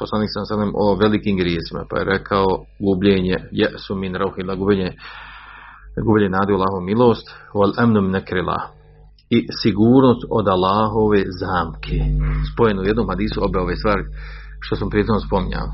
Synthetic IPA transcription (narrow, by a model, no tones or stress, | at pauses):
poslaniːksalːahasalemʔoʋelikiːmɡɾjeːsima̰pa̰jḛɾekʰaoɡubʎeːɲejaʔsuminɾawhilaɡubeɲe | ɡuːbʲeɲenaːd̪iualˠaːɦoʋmilˠo̞ːst̪walʔamnuminakɾila̰ːh | isiɡuːɾnoːst̪od̪alˠːaːɦoʋeːzaːmkʰespo̞jenaujed̪noːmhad̪iːsuobeoʋeːst̪ʋaːɾi | ʃt̪osampɾeonospo̞miɲa̰